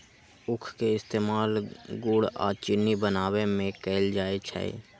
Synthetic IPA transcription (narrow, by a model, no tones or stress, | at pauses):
ʊkʰkeɪst̪eːmaːlɡuɽa̰ːt͡ʃɪnːibənaːwemẽkeːld͡ʒaːet͡ʃʰɛ̰